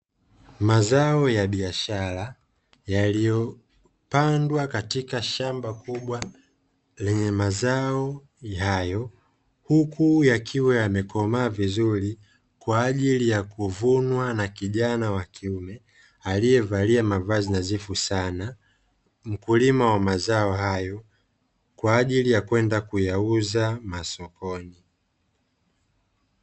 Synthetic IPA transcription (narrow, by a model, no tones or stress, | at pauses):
mazaɔjaɓiaʃaɾa | jalijɔ | pandwakatikaʃambakuɓwa | lɛɲɛmazaɔ | jajɔ | hukujakʰiwɛamɛkɔmaːvizuɾi | kwaːʄilijakuvunwanakiʄanawakʰiumɛ | alijɛvaliamavazinazifusana | m̩kulimawamazaɔhajɔ | kwaːʄilijakwɛndakujauzamasɔkɔni